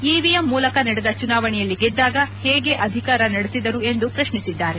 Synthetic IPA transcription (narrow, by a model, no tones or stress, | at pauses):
iːʋijɐmːuːlɐkɐnɐɽed̪ɐt͡ʃunaːʋɐɳɛjɐlːiɡɛd̪ːaːɡɐhɛːɡe̞ʔɐd̪ʱikaːɾɐnɐɽesid̪ɐɾue̞nd̪upɾɐʃɳisid̪ːaːɾe